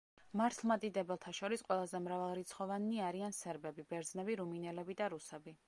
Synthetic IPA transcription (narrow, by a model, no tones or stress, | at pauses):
maɾt̪ʰlˠmat̪ʼid̪ɛbɛlˠt̪ʰaʃɔɾisqʼwɛlˠazɛmɾavalˠɾit̪sʰχɔvanːiaɾiansɛɾbɛbibɛɾd̪znɛbiɾuminɛlɛbid̪aɾusɛbi